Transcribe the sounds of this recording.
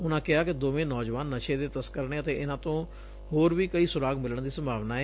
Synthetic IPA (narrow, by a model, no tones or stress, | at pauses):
ʊnãːkɪaːkɪd̪oːʋẽːnɔːd͡ʒʋaːnːəʃeːd̪eːt̪əskəɾɳeːət̪eːʔɪnãːt̪õː | hoːɾʋiːkəiːsʊɾaːɡmɪləɳd̪iːsəmbʱaːʋnaːɛː